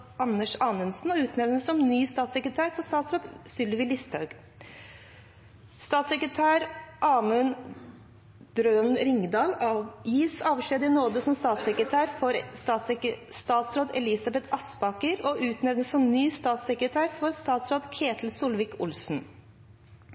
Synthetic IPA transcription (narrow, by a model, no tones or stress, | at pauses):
ɑnːəʂɑːnʉnsnɔʉːt̪nɛʋnəsɔmnyːst̪ɑːt̪sɛkɾət̪ʰæːɾfɔst̪ɑːt̪sɾoːd̪sʏlʋɪlɪst̪hɑʉɡ̥ | st̪ɑːt̪sɛkɾət̪ʰæːɾʔɑːmən | d̪̥ɾøːnɾɪŋd̪ɑːlɑjiːsɑːʋʂleːd̪ɪnoːd̪əsɔmst̪ɑːt̪sɛkɾət̪ʰæːɾfɔɾsɑsst̪ɑːt̪sɾoːd̪ɛlɪsɑbɛt̪ʰɑsbɑkəɾɔʔʉːt̪nɛʋnəsɔmnyːst̪ɑːt̪sɛkɾət̪ʰæːɾfɔɾst̪ɑːt̪sɾoːd̪kʰeːt̪ʰl̩suːlʋiːkʊlsn̩